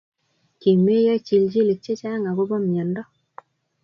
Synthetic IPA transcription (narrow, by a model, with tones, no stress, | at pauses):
ki˨me˦ja˦t͡ʃi˨ld͡ʒi˦le˨t͡ʃe˦t͡ʃa˦ŋa˨ko˦bɔ˦mjɔ˨ndɔ˦